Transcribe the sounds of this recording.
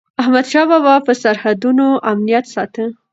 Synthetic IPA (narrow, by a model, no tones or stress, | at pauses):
ahmad̪ʃɑbawapəsaɾhad̪unoʔamnijat̪sɑt̪ə